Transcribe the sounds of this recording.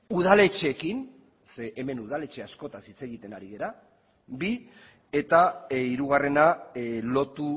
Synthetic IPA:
uð̞ale̞t͡ʃekin | seʔeme̞nuð̞ale̞t͡ʃe̞asko̞t̪asit͡se̞ɣit̪e̞naɾiɣe̞ɾa | bi | e̞t̪aiɾuɣ̞are̞nalo̞t̪u

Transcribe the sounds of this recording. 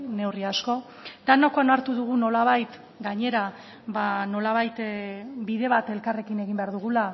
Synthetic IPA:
ne̞wriasko̞ | d̪̥anokanaɾt̪uðuɣ̞uno̞laβ̞ajt̪ | ɡaɲe̞ɾa | βano̞laβajt̪biðe̞βat̪e̞lkare̞kine̞ɣimbe̞aɾðuɣ̞ula

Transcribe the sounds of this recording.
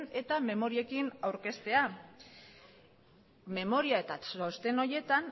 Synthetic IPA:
ne̞t̪ame̞mo̞ɾie̞kinawɾke̞st̪e̞a | me̞mo̞ɾiae̞t̪asost̪e̞no̞je̞t̪an

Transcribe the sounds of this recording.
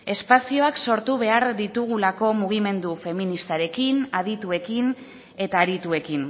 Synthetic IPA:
e̞spasio̞akso̞ɾt̪uβ̞e̞aɾd̪it̪uɣ̞ulako̞muɣ̞ime̞nd̪ufe̞minist̪aɾe̞kinað̞it̪ue̞kin | e̞t̪aːɾit̪ue̞kin

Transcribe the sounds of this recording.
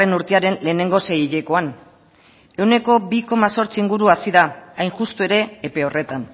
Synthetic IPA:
enuɾt̪eaɾe̞nle̞ːne̞ŋɡo̞se̞jiʎeko̞an | e̞wne̞ko̞biko̞maso̞ɾt͡siːŋɡuɾuasiðaːjnxust̪ue̞ɾe̞ːpe̞o̞re̞t̪an

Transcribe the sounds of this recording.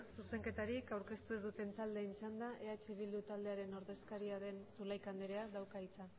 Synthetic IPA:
suse̞ŋke̞t̪aɾikawɾke̞st̪ue̞zðut̪e̞nt̪ald̪e̞ːnt͡ʃand̪aʔe̞at͡ʃeβ̞ild̪ut̪ald̪e̞aɾe̞no̞ɾðe̞skaɾiaðe̞nsulajkand̪eɾe̞aðawkait͡sa

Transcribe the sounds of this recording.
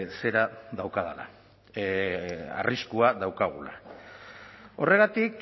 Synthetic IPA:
se̞ɾaðawkaðala̰ | a̰rʔiskuaðawkaɣ̞ula̰ | o̞re̞ɣ̞at̪ik

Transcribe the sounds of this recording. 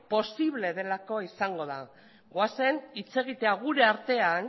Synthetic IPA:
po̞siβle̞ð̞e̞lako̞isaŋɡo̞ða | ɣoase̞nit͡se̞ɣ̞it̪e̞aɣ̞uɾe̞aɾt̪e̞an

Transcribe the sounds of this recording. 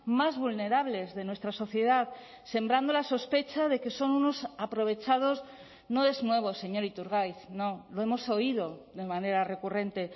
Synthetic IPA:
mazβulne̞ɾaβ̞le̞zðe̞nwe̞st̪ɾaso̞θje̞ð̞að | se̞mbɾand̪olaso̞spe̞t͡ʃað̞e̞ke̞so̞nuno̞sapɾo̞β̞e̞t͡ʃað̞o̞s | no̞e̞znwe̞β̞o̞se̞ɲo̞ɾit̪uɾɣ̞ajθnoloe̞mo̞so̞iðo̞ðe̞mane̞ɾare̞kure̞nt̪e̞

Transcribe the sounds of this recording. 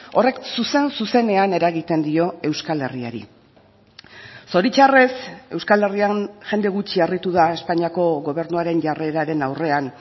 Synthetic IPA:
o̞re̞ksuse̞nsuse̞ne̞ane̞ɾaɣit̪e̞nd̪io̞e̞wskale̞ria̰ɾḭ | so̞ɾit͡ʃare̞se̞wskale̞rianʝe̞nd̪e̞ɣut͡ʃiarit̪uðae̞spaɲiako̞ɣo̞β̞e̞ɾnuaɾe̞nʝareɾaɾe̞nawre̞an

